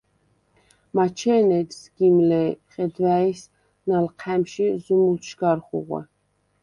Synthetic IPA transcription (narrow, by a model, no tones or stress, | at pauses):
mat͡ʃʰɛnɛt̪sɡ̥imlɛχɛd̪væis | nalqʰɛmʃizumulʃɡaɾχṵʁwɛ̰